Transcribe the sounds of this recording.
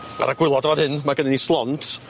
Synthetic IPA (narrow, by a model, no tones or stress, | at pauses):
a̰ɾaɡ̥wɪlˠɔdvadhɨnmaɡənɪnislˠɔntʰ